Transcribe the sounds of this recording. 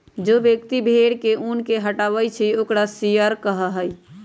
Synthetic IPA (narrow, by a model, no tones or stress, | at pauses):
d͡ʒobjəkt̪ibʱeɽkeʔunkeɦəʈaːʋəjt͡ʃʰioːkɾasijəɾkəɦəɦəj